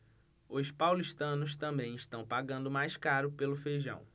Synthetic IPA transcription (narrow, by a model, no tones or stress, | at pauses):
ʊspawliʃt̪ɐ̃nʊs̬t̪ɐ̃mbẽj̃ɪʃt̪ɐ̃w̃paɡɐ̃nd̪ʊmajskaɾʊpelʊfejʒɐ̰̃w̃